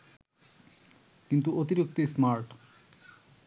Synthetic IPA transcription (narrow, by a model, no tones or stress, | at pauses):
kint̪uot̪iɾik̚t̪ismaɾʈ